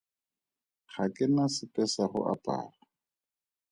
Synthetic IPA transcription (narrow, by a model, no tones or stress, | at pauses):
χakʼɪnasɪpʼɛsaχʊ̰ʔapʼa̰ːra